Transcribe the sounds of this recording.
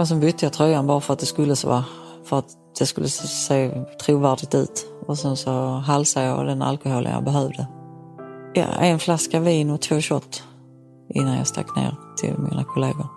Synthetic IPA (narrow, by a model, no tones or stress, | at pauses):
ɔs̬ɔmbʏt̪ːəjɑt̪ʰɾœjːanbɑːɾafœɾat̪̚d̪ɛskɵlːəso̰ːa | fœɾat̪ | d̪̥ɛskɵlːəseːt̪ʰɾuːvæːɖɪɡ̚t̪ʉ̟ːt̪ɔsɛnsɔɦalsajɑ̰d̪ɛna̰lkʊɦhoːlʔə̰njɑ̰ːbɛɦœvd̪ə | jɑ̰ʔɛnflaskaviːnɔt̪ʰvoːɕɔt̪ː | ʔɪnːanjɑ̰st̪a̰kːnḛːɾt̪ʰɪ̰lmḭːnakʰʊleːɡʊɾ